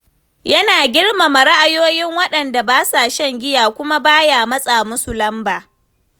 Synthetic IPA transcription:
jɐ˦naː˨ɡʲɪ˦ɽma˨mɐ˨ɾa˦ʔa˨joː˦jɪ˦ŋwɐ˦ɗɐ˨nda˨baː˦saː˨ʃɐ˦˨ŋɡʲɪ˦jaː˨kʷʊ˦ma˦baː˦jaː˨mɐ˦sʼaː˨mʊ˦su˨lɐ˦mbaː˨

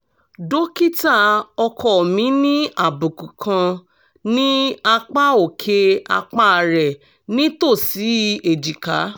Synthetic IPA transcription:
do˦ki˦ta˦˨ɔ˧kʰɔ˦˨mĩ˨˦nĩ˦a˦˨bu˨ku˨kʰã˧ | nĩ˦a˧k͡pa˦o˨kʰe˧a̰˧k͡pa˦˨ɾɛ˨ | nĩ˦to˦˨si˨˦˧e˨d͡ʒi˨ka˨˦

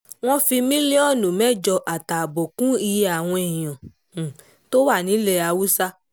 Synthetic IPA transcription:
w̃ɔ̃˦fi˧mĩ˦li˦ɔ˦˨nũ˨mɛ˦˨d͡ʒɔ˧ʔa˨ta˨bɔ˨kũ˦i˧ja˨w̃ɔ̃˧e˨ĩ˨ã˨ | to˦wa˦˨nĩ˨˦lɛ˦˨a˧wu˦sa˦

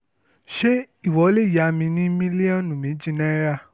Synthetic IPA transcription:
ʃe˦ | i˦˨wɔ˨˦le˦˨ja˨˦mĩ˧nĩ˦mĩ˦li˦ã˦˨nũ˨mĩ˨˦d͡ʒĩ˦nɛ̃˦ɾa˦˨

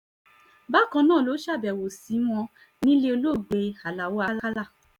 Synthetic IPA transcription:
ba˦˨kã˧˦nãː˦˨lo˨˦ʃa˦˨bɛ˨wo˨si˨˦w̃ɔ̃˧ | nĩ˦le˧o˧lo˦˨ɡ͡be˧a˨la˨wo˦a˧˦la˦la˦˨

